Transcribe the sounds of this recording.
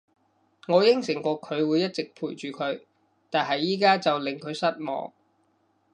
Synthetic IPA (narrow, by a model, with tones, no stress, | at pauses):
ŋɔː˨˧jɪ˥ŋsɪ˨˩ŋkʷɔː˧kʰɵ˨˧ɥwuː˨˧jɐ˥t̚t͡sɪ˨k̚pʰuː˨˩jt͡ʃyː˨kʰɵ˨˧ɥ | t̪aː˨nɦɐ˨jːiː˥kaː˥t͡sɐ˨wlɪ˨ŋkʰɵ˨˧ɥsɐ˥t̚mɔ̰ː˨ŋ